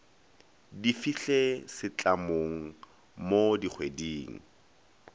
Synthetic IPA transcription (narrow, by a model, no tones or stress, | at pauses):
difiɬesɪt͡ɬʼamoŋ̩ | modik͡xʰwediːŋ̩